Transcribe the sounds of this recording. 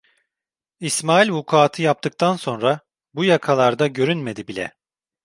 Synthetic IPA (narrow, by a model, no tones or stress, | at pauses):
ismaːilʲvukʰaːt̪ʰɯjap̚t̪ɯk̚t̪ʰanso̞nɾa | bujakʰalˠaɾd̪aɟø̞ɾynme̞d̪ibilʲɛ̰